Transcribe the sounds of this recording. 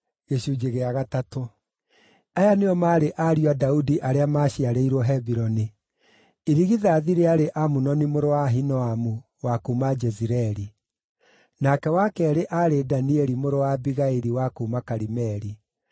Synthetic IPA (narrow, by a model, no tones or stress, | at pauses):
ɣeɕuːd͡ʒeɣeaɣatato | ajaneɔmaːɾeʔaɾiadaudiʔaɾeamaːɕiaɾeiɾwɔɦɛbiɾɔni | eɾiɣiðaːðiɾeaɾeʔamunɔnimoɾowaɦinɔamu | wakumad͡ʒɛziɾɛɾi | nakɛwakɛɾeʔaɾedaniɛɾimoɾowabiɣaeɾiwakuːmakaɾimɛɾi